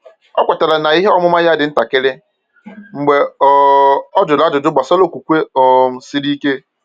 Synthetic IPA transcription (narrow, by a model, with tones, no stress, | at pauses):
ɔ˦kʷa˨ta˨la˨na˨i˦ɦe˦ɔ˦mʊ˦ma˦ja˦dɪ˨n̩˦ta˨kɪ˦lɪ˦ | ŋ͡m̩˨ɡ͡be˨˦ | ɔ˦d͡ʒʊ˨la˦d͡ʒʊ˨dʊ˦ɡ͡ba˨sɔ˦lo˦˨kʷu˨kʷe˦ɔ˨m̩˨sɪ˦ɾi˦ke˦